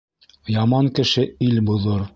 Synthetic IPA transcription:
jɑmɑŋkɘ̆ʃɘilbŭðɤɾ

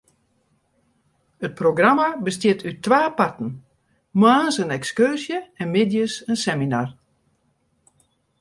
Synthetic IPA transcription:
ət̚proɡramabəstjɪtʰytʰːʋaːpatn̩ | maːnsənɛkskørsjəɛnmɪdjəsənsɛminar

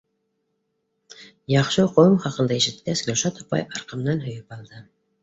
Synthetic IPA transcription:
jɑχʃɤqʰoumχɑqɤ̆nd̪ɑeʃɪt̪̚kæsɡʲoʃɑt̪ɒ̥pɑ̰jɑɾqɤ̆mnɑnɦɵ̆jypɑlˠd̪ɤ

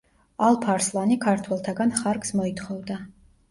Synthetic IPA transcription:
alˠpʰaɾslˠanikʰaɾt̪ʰwɛlˠt̪ʰaɡanχaɾksmɔit̪ʰχɔvd̪a

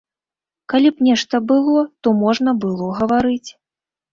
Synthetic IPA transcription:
kalʲipnʲɛʂt̪ɐbɨlˠɔt̪ɔmɔʐnɐbɨlˠɔɣɐvaɾɨt͡sʲ

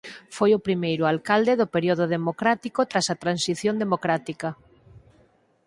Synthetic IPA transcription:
fojʊpɾimejɾʊalkald̪eðʊpeɾjoðʊðemokɾat̪ikot̪ɾasɐt̪ɾansiθjõnd̪emokɾat̪ikɐ

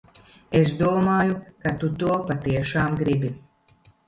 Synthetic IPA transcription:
es̬d̪uɔmaːjukat̪ut̪uɔpat̪iɛʃaːmɡɾibʲi

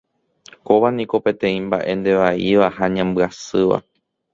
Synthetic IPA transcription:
koʋanĩko̞pe̞t̪ẽ̞ĩmba̰ʔe̞nd̪e̞ʋaiʋahaɲãmbɨasɨʋa̰

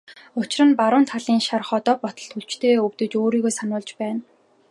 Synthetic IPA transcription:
ʊt͡ɕɪ̆rə̆npaɾʊːnt̪ʰaɮiːŋʃarχɔt̪ɔːpɔt̪ɞ̆ɬt̪xuɮt͡ɕt̪ʰeːɵwt̪ɵ̆t͡ɕoːɾiːɣoːsanʊːɮt͡ɕpæːn

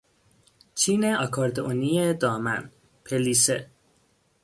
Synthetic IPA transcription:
t͡ʃʰiːneɒkʰɒːɾd̪eʔonijed̪ɒːmæ̰n | pʰeliːse

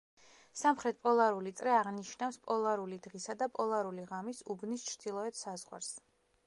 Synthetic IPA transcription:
samχɾɛt̪̚pʼɔlˠaɾulit̪sʼɾɛaʁniʃnafspʼɔlˠaɾulid̪ʁisad̪apʼɔlˠaɾuliʁamisubnist͡ʃʰɾd̪̥ilˠɔɛt̪ʰsazʁwa̰ɾs

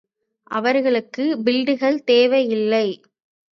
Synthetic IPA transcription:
ʔɐʋɐɾɣɐɭɯkːɯbɪlɖɯɣɐɭt̪eːʋɐjɪlːɐɪ

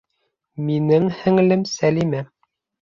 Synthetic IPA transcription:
minɘŋhɘ̆ŋɘ̆lɘmsælimæ

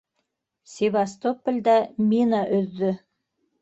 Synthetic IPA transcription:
sʲevast̪opə̆lʲd̪ɑmʲinaʔɵ̆ðːɘ

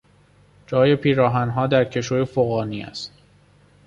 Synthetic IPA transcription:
d͡ʒɒːje̞pʰiːɾɒːɦænɦɒːd̪æɾcʰe̞ʃoːjefoɣɒːniːæ̰st̪

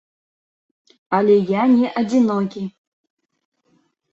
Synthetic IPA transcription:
alʲɛjanʲɛʔɐd͡zʲinɔkʲi

